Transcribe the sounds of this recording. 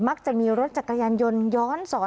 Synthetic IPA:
ma˦˥k̚t͡ɕa˨˩miː˧ɾo˦˥t̪̚t͡ɕa˨˩kːa˧jaː˧njo˧njɔː˦˥nsɔː˩˦

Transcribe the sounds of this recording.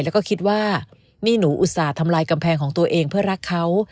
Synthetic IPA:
jlɛ˦˥wkɔː˥˩kʰi˦˥t̪̚waː˥˩ | miː˧nuː˩˦ʔu˨˩t̪̚saː˨˩t̪ʰa˧mlaː˧jka˧mpʰɛː˧ŋkʰɔː˩˦ŋt̪u˧ɐʔeː˧ŋpʰɯ˥˩ɐɾa˦˥kʰːa˦˥w

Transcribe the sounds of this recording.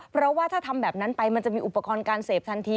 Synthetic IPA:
pʰɾɔ˦˥waː˥˩aː˥˩t̪ʰa˧mbɛː˨˩p̚na˦˥npa˧jma˧nt͡ɕa˨˩ʔmiː˧ʔu˨˩pːa˧kɔː˧nkaː˧nseː˨˩p̚t̪ʰa˧nt̪ʰiː˧

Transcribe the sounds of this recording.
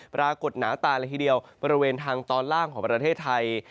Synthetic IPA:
pɾaː˧ko˨˩t̪̚naː˩˦wt̪aː˨˩nlɛ˧jt̪i˧˩di˧əwbɔː˧ɾi˦˥weː˧nt̪ʰaː˧ŋt̪ɔː˧nlaː˥˩ŋkʰɔː˩˦ŋpɾa˧t̪ʰeː˥˩t̪ʰːa˧j

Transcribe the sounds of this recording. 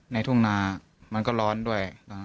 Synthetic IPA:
na˧jt̪ʰu˥˩ŋnaː˧ | ma˧nkɔː˥˩lɔː˦˥ndu˥˩əj

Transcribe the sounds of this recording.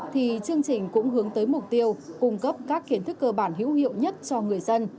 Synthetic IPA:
t̪ʰi˨˩t͡ɕɨ˧əŋt͡ɕï˨˩ŋ̟kʊ̰˧˥ŋ͡mɦɨ˨˦əŋt̪əː˨˦jmʊ˨˩k͡p̚t̪i˧əwkʊ˧ŋ͡mkə˦˥p̚kaː˦˥kxi˨˦ənt̪ʰɨ˦˥k̚ːəː˧ɓaː˧˩nɦḭ˧˥əwhḭ˧˨ə˨wɲə˦˥t̚t͡ɕɔ˧ŋɨ˨˩əjzə˧n

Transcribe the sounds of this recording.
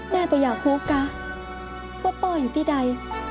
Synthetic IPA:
mɛː˥˩˨pɔː˨˩jaː˨˩k̚huː˦˥ka˧˥ | kɔ˥˩p̪ɔː˥˩juː˨˩t̪ʰiː˥˩da˧j

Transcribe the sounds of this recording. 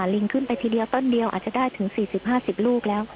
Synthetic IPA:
nli˧ŋkʰɯ˥˩npa˧jt̪ʰiː˧di˧əwt̪o˥˩ndi˧əwʔa̰˨˩t͡ɕa˨˩daː˥˩jt̪ʰɯ˩˦ŋsiː˨˩si˨˩p̚ɦaː˥˩si˨˩p̚luː˥˩k̚lɛː˦˥w

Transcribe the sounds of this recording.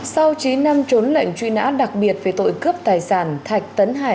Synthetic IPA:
sa˧wt͡ɕi˨˦nːa˧mt͡ɕo˨˦nlə̰˧˨ŋ̟t͡ɕwḭ˧na̰ː˧˥ɗa˨˩k̚ɓi˨˩ət̚ve˨˩t̪o̰˧˨jkɨ˦˥əp̚t̪aː˨˩jsaː˧˩nt̪ʰa˨˩jk̟̚t̪ə˨˦nɦaː˧˩

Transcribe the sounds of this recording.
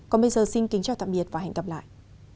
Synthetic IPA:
kɔ˨˦nɓə˧jzəː˨˩si˧ŋkï˨˦ŋ̟t͡ɕaː˧˩wt̪a̰ː˧˨mɓi˨˩ət̚vaː˨˩ɦɛ̰˨˧˩jŋ̟kə˨˧˩p̚la̰ː˧˨jʔ

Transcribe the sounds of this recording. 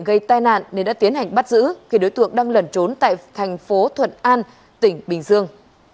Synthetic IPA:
ɣə˧jt̪aː˧jna̰ː˧˨nːe˧˩nɗa̰ː˧˥t̪i˨˦ənɦa˨˩jŋ̟ɓa˦˥t̚zɨ̰˧˥xi˧˩ɗo˨˦jt̪ɨ̰˧˨əŋɗaː˧ŋlə˨˩nt͡ɕo˨˦nt̪a̰ː˧˨jt̪ʰɛ˨˩jŋ̟fo˨˦t̪ʰwə̰˧˨nʔaː˧n | t̪ï˧˩ŋ̟ɓï˨˩ŋ̟zɨ˧əŋ

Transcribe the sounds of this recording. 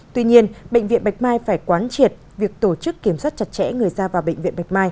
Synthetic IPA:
t̪wi˧ɲi˧ənɓə̰˧˨jŋ̟vḭ˧˨ənɓjk̟̚maː˧jfaː˧˩jkwaː˨˦nt͡ɕi˨˩ət̚vi˨˩ək̚t̪o˧˩t͡ɕɨ˦˥kːi˧˩əmswaː˦˥t̚t͡ɕa˨˩t̚t͡ɕɛ̰˧˥ŋɨ˨˩əjzaː˧vaː˨˩wɓə̰˧˨ŋ̟vḭ˧ənɓa˨˩k̟̚maː˧j

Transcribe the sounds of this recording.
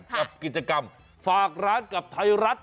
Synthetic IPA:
a˨˩p̚ki˨˩t̪̚t͡ɕa˧ka˧m | faː˨˩k̚ɾaː˦˥nka˨˩p̚t̪ʰa˧jɾa˦˥t̪̚

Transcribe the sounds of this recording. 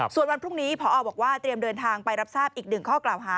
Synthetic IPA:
su˨˩ənwa˧npʰɾu˥˩ŋniː˦˥pʰɔ˨˦˥ɔː˨˩bɔː˨˩k̚waː˥˩t̪ɾi˧mdɤː˧nt̪ʰaː˧ŋpa˧jɾa˦˥p̚saː˥˩p̚ʔiː˨˩k̚nɯ˨˩ŋkʰɔː˥˩klaː˨˩wɦaː˩˦

